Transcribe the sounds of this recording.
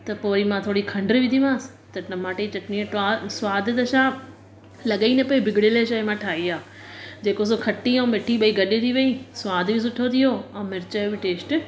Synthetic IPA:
t̪ɐpoːimãt̪ʰoːɽikʰɐ̃ɳɖɾbɪ̃d̪iʋãːsɪ̥ | t̪ɐnɐmaːʈet͡ɕɐʈniẽʈaːsʊʋaːd̪ʱɪt̪ɐʃã | lɐɠəinepɐibʱɪɡɪɽeleʃɐimãʈʰaːiaː | d͡ʑeːkos̬okʰɐʈːiɐ̃mɪʈʰiɓɐiɡɐɗet̪ʰiʋɐisʋaːd̪ʱbis̬ʊʈʰot̪ʰijoɛ̃ːmɪɾɪt͡ɕəobɪʈeːsʈ

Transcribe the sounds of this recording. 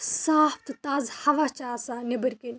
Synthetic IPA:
saːft̪ɨt̪aːzhɐʋaːt͡ʃaːsaːnebəɾken

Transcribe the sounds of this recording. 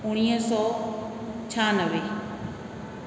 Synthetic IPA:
ʊɽ̃iːsɔː | t͡ʃʰaːnəʋe

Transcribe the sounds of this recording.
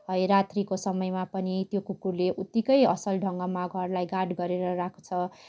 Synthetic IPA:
ɦʌjɾat̪ʰrikosʌmʌjmapʌnit̪jokukurleʔut̪ːikʌjʌsʌlɖʱʌŋɡʌmaɡʱʌrlajɡaɖɡʌɾeɾʌɾakʰo̥t͡sʰʌ

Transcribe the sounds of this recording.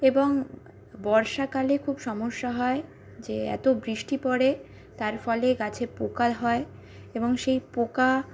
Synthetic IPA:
eboŋ | bɔɾʃakalekʰubʃɔmoʃːaɦɔe | d͡ʑeɛ̰t̪obɾiʃʈipɔɽe | t̪aɾfɔleɡat͡ɕʰepokaɦɔe | eboŋʃejpoka

